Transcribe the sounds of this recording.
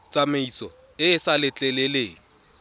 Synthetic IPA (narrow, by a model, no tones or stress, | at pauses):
t͡sʼameisɔ | ɪɪsalɪt͡ɬʼɛlɪleːŋ̩